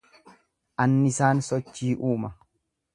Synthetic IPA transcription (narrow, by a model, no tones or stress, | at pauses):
ʔɐnːɪsaːnsɔt͡ʃːiːʔuːmɐ